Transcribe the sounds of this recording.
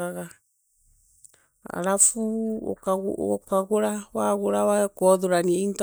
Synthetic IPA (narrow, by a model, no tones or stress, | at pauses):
aɣa | a̰ɾafuɔ̰kaɣ̰okaɣoɾawaɣoɾawakɔðoɾaniaint